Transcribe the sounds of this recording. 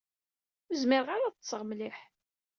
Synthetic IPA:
məzmɪɾʁaɾaðəsːəʁmliħ

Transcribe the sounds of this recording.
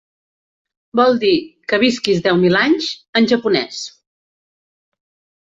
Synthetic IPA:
bɔlˠd̪ikəβ̞iskizdɛwmilaɲʃənʒəpunɛ̰s

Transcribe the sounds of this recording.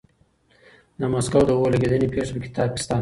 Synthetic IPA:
d̪əmaskawd̪əwolaɡed̪ənepeʂpəkɪ̥t̪ɑkɪ̥st̪ɑn

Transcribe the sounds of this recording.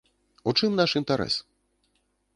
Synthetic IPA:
ut͡ʂɨmnaʂint̪aɾɛ̰s

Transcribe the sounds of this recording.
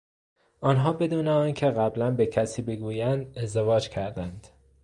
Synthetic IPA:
ʔɒːnɦɒːbe̞d̪uːneɒːncʰeɣæblænbecʰæsiːbe̞ɡuːjænd̪e̞zd̪evɒːd͡ʒcʰæɾd̪ænd̪̥

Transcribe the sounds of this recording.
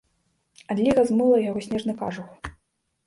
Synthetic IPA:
ad̪ʲlʲiɣɐzmɨlˠɐjaɣɔsʲnʲɛʐnɨka̰ʐux

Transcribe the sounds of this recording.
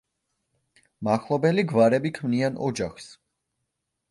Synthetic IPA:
maχlˠɔbɛliɡvaɾɛbikʰmnianɔ̰d͡ʒaχs

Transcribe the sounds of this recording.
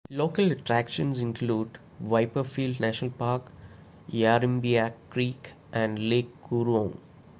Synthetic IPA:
loːkələʈɾækʃə̃nsɪ̃nkluːɖ | ʋaɪpəfiːlɖnæʃənəlpaːɾk | jaɾĩmbiakɾiːk | ʔæ̃ɳɖleːkːuɾʋõːŋ

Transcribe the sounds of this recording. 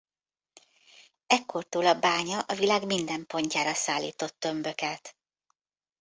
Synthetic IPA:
ɛkʰːo̞rt̪uːlɒbaːɲɒʔɒvilaːɡmind̪ɛmpo̞ɲcaːɾɒsaːlːḭːt̪o̞t̪ːø̞mbø̞kɛt̪

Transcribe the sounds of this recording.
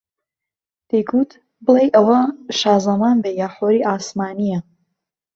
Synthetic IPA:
d̪̥ejkʰut̪ʰ | bɨlejʔɐwɐʃaːzɐmaːnbejaːħoːɾiːʔaːsmaːnijɐ

